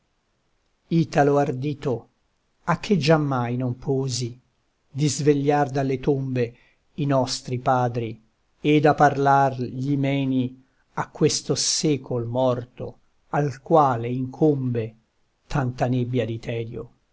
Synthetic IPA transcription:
iːt̪aloard̪iːt̪o | ak̟ʰːed͡ʒamːajnompʰɔːzi | d̪izveʎːard̪alːet̪ombe | inɔst̪ɾipaːd̪ɾi | ed̪apːarlarʎimɛːni | akːwest̪osɛːkʰolmɔrt̪o̰ | alkwaːleiŋkʰombe | t̪ʰant̪anebːjad̪it̪ʰɛːd̪jo̰

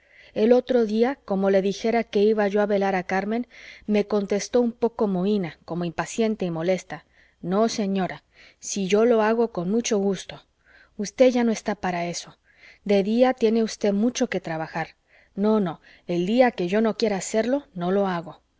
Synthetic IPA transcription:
e̞lo̞t̪ɾo̞ðiako̞mo̞le̞ðixe̞ɾake̞iβaʝo̞aβe̞laɾakaɾmẽ̞nme̞ko̞nt̪e̞st̪o̞umpo̞ko̞moinako̞mo̞impasje̞nt̪eimo̞le̞st̪a | no̞se̞ɲo̞ɾa | siʝo̞lo̞aɣo̞ko̞nmut͡ʃo̞ɣust̪o̞ | ust̪e̞ʝano̞e̞st̪apaɾae̞so̞ | d̪e̞ðiat̪je̞ne̞ust̪e̞ðmut͡ʃo̞ke̞t̪ɾaβaxaɾ | no̞no̞ | e̞ld̪iake̞ʝo̞no̞kje̞ɾaːse̞ɾlono̞lo̞aɣo̞

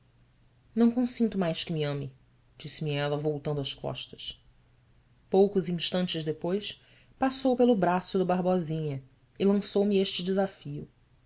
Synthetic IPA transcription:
nɐ̃w̃kõsĩnt̪ʊmajskɪmiɐ̃mɪ | d͡ʒisɪmɪɛlɐvowt̪ɐ̃nd̪ʊɐskɔ̰ʃt̪ɐ̥ʃ | powkʊzĩʃt̪ɐ̃nt͡ʃɪzd̪epojs | pasowpelʊbɾasʊd̪ɐbaɦbɔzĩɲɐ | ɪlɐ̃sowmɪeʃt͡ʃɪd͡ʒɪzafiʊ

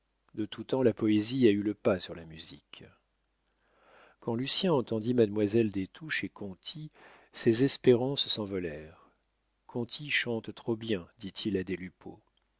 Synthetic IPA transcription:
d̪ət̪ut̪ɑ̃lapɔeziayləpasyʁlamyzḭk | kɑ̃lysjɛ̃ɑ̃t̪ɑ̃d̪imad̪mwazɛld̪et̪ʰuʃekɔ̃t̪ʰi | sezɛspeʁɑ̃ssɑ̃vɔlɛʁ | kʰɔ̃t̪ʰiʃɑ̃t̪t̪χobjɛ̃d̪̥it̪ʰilad̪elypʰo̰

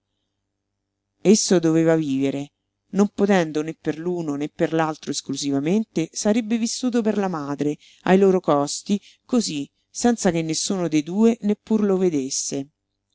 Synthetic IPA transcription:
esːod̪oveːvaviːveɾe | nompot̪ɛnd̪onepːerluːnonepːerlalt̪ɾoeskluzivament̪esaɾebːevisːuːt̪̬operlamaːd̪ɾe | ajloːɾokɔst̪i | kozi | sɛnt̪sak̟enːesːuːnod̪ejd̪uːenepːurloved̪esːe

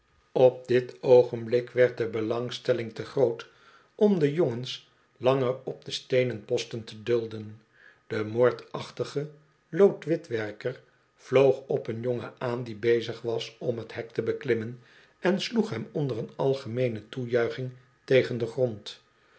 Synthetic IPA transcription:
ɔp̚dɪtowχənblɪkʋɛɹt̚dəbəlɑŋstɛlɪŋtəχrowt | ʔɔmdəjoŋəns | lɑŋərɔp̚dəstejnənpɔstəntədɵlˠdən | d̥əmoːɹtɑχtəχə | lowtʋɪtʋɛɹkəɹ | v̥lowχɔpənjɔŋəaːndibejzəχʋɑsɔmɦətɦɛk̚təbəklɪmən | ɛnsluχɦɛmɔndərənɑlˠχəmejnətujœɥχɪŋ | tejχəndəχrɔnt

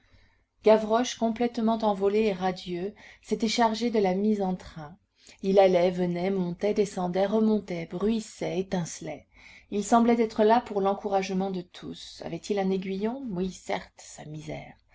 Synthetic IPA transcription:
ɡ̥avʁɔʃkɔ̃plɛt̪mɑ̃t̪ɑ̃vɔleːʁad̪jøset̪ɛʃaʁʒed̪əlamizɑ̃t̪χɛ̃ | ilalɛvənɛmɔ̃t̪ɛd̪esɑ̃d̪ɛʁəmɔ̃t̪ɛbʁɥisɛet̪ɛ̃slɛ | ilsɑ̃blɛt̪ɛt̪χəlapuʁlɑ̃kuʁaʒmɑ̃d̪ət̪ʰusa̰vɛt̪ilɛ̃neɡɥijɔ̃wisɛ̰ʁt̪samizɛ̰ːʁ

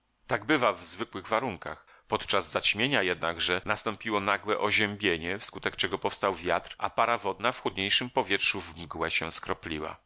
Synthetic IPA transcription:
t̪aɡbɘvavzvɘkwɘɣvaɾuŋka̰x | pɔt̪t͡ʂazzat͡ɕmʲjeɲajɛd̪̚naɡʐɛnast̪ɔ̃mpʲiwɔnaɡwɛʔɔʑɛmbʲjeɲɛfskut̪ɛkt͡ʂɛɡɔpɔfst̪awvʲjat̪ɾʔa̰paɾavɔd̪nafxud̪ɲejʂɘmpɔvʲjɛtʂuvmɡwɛɕɛ̰̃skɾɔplʲiwa̰

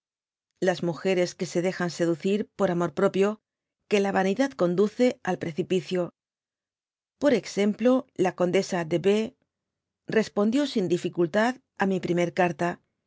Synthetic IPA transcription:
lazmuxe̞ɾe̞ske̞se̞ð̞e̞xanse̞ðuθiɾpo̞ɾamo̞ɾpɾo̞pjo | ke̞laβaniðat̪ko̞nd̪uθe̞alpɾe̞θipiθjo̞ | po̞ɾe̞kse̞mplo̞lako̞nd̪e̞sad̪e̞βe̞ | re̞spo̞nd̪jo̞sind̪ifikult̪að | amipɾime̞ɾkaɾt̪a

